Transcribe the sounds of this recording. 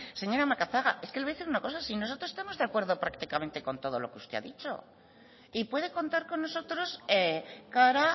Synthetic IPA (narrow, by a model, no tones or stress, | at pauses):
se̞ɲo̞ɾamakaθaɣa̰e̞ske̞laðeθiɾunako̞sasinos̬o̞t̪ɾosest̪amo̞zðeakwe̞ɾð̞o̞pɾakt̪ikamẽnt̪e̞ko̞nt̪o̞ðo̞lo̞̰keust̪e̞̰a̰ðit͡ʃo̞̰ | ipwe̞ðe̞ko̞nt̪aɾko̞nːoso̞t̪ɾo̞sekaɾa